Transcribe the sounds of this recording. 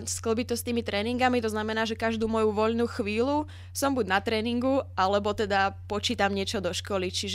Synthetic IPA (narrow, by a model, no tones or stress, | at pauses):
skl̩bit̪ɔst̪iːmit̪ɾɛːniŋɡamit̪ɔznamɛnaːʒɛkaʒd̪uːmɔjuʋɔʎnuːxʋiːlu | sɔmbuɟnat̪ɾɛːniŋɡuʔalɛbɔt̪ɛd̪apɔt͡ʃiːt̪amɲɪɛt͡ʃɔd̪ɔʃkɔlit͡ʃiʒ